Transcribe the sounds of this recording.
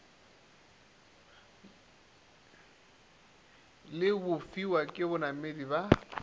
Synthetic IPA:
lɪbʊfiwakʼɪbʊnamediba

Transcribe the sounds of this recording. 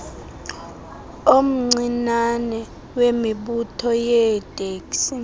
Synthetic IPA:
om̩ŋ͡ǀinanɛ | wemiɓutʰɔjɛd̥ʼʱeːks

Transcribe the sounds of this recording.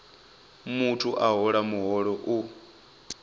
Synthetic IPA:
mutʰuʔaɦɔɺamuɦɔɺɔʔu

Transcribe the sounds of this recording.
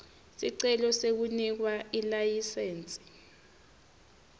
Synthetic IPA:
siǀɛlɔsek̬unik̬wailajiseːnt͡sʼi̥

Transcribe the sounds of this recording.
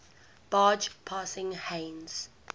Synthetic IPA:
b̥ɑːd͡ʒpʰaːsɪ̃ŋhẽːnz̥

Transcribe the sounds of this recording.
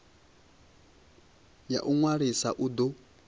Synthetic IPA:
ja̰ʔuŋwaɾisaʔud̪ɔ

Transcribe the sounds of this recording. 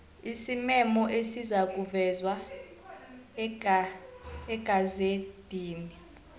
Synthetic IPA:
isimɛmɔʔesizak̬ʼuvɛzwa | ɛɡ̥ʼʱazed̥ʱiːni

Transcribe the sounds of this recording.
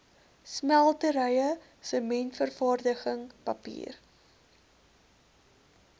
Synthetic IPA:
smælˠtəɾəjə | səmɛntfərfɑːrdəχəŋpɐpḭːr

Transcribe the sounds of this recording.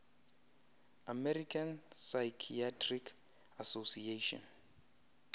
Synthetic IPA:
amɛɾikʰansajkʰiatʰrikʰ | asosieʃɔ̰n

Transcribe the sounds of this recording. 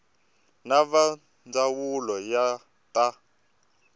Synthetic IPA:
naβa | nd͡zawulɔja | t̪a

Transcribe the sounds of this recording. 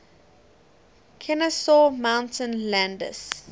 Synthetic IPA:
kʰɛnəsɔmãʊ̃ntʰə̃nlæ̃ndə̰s

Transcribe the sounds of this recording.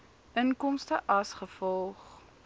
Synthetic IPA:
ʔənkɔmstəʔɐsχəfɔlˠχ

